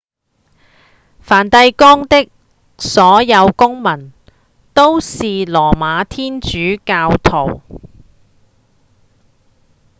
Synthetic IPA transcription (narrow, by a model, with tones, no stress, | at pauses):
faː˨˩nt̪ɐ˧jkɔː˥ŋt̪ɪ˥k̚ | sɔː˨˥jɐ˨˧wkʊ˥ŋmɐ˨˩n | t̪o˥wsiː˨lɔː˨˩maː˨˧t̪ʰiː˥nt͡ʃyː˨˥kaː˧wt̪ʰo˨˩w